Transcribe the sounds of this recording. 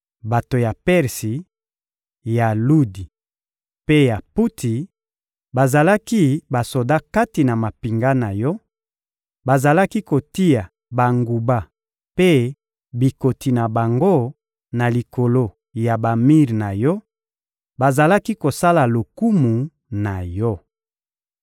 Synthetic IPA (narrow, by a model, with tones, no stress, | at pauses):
ba˨to˨ja˨pɛ˦ʁsi˨ | ja˨lu˦di˨ | pe˦ja˨pu˦tʰi˨ | ba˨za˨la˦ki˦ba˨so˨da˦ka˦ti˨na˨ma˨pi˨ŋɡa˦na˨jɔ˦ | ba˨za˨la˦ki˦ko˨ti˦ja˨ | ba˨ŋɡu˨ba˦ | pe˦ | bi˨ko˨ti˨na˨ba˨ŋɡo˦ | na˨li˨ko˨lo˦ | ja˨ba˨mi˦ʁna˨jɔ˦ | ba˨za˨la˦ki˦ko˨sa˦la˨lo˨ku˦mu˨ | na˨jɔ˦